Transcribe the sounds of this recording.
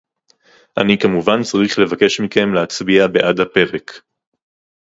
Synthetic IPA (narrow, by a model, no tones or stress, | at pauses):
ʔanikamuvant͡saʁiχle̞vake̞ʃmike̞mleat͡sbiabe̞ʔadhape̞ʁe̞k